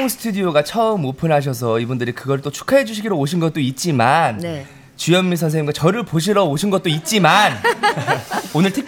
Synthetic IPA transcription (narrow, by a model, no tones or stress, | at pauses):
ŋsʰɯ̥tʰudijoɡat͡ɕʰʌɯmopʰɯnɦaɕ̬ʰʌs̬ʰʌibundɯɾikɯɡʌɾɯɭt͈ot͡ɕʰu̥kʰaɦe̞d͡ʑuɕʰiɡiɾooɕʰinɡʌt͈̚oit̚t͡ɕ͈iman | t͡ɕujʌmmis̬ʰʌns̬ʰeŋɲimɡwat͡ɕʌɾɯɭpoɕ̬ʰiɾʌoɕʰinɡʌt̚t͈oit̚t͡ɕ͈iman | onɯɭtʰek